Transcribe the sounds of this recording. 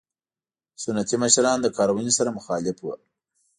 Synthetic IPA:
sʊnːat̪iməʃɾɑnd̪əkɑɾawənisaɾamʊxɑlɪfwə̰

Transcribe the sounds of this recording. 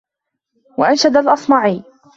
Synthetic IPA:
waʔanʃad̪alʔɑsˤmɑʕiː

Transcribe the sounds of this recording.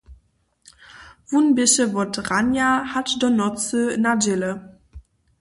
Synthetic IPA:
v̥unbɪʃəvɔtʁanjahatdɔnɔt͡sənad͡ʒɪlə

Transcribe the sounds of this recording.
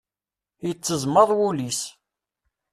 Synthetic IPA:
jət͡sːəzˤməðˤwulis

